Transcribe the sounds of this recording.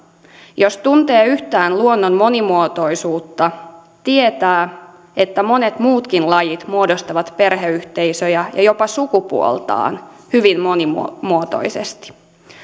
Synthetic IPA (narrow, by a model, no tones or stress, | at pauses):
jo̞st̪unt̪eːyht̪æːnluonːonmo̞nimuot̪o̞jsuːt̪ːɑ | t̪iet̪æː | e̞t̪ːæmo̞net̪muːt̪kinlɑjit̪muodost̪ɑʋɑt̪pe̞rɦeyht̪e̞jsøjæjɑjo̞pɑsukupṵo̰lt̪ɑ̰ːnhyʋimmonimmuot̪o̞̰jsḛst̪i̥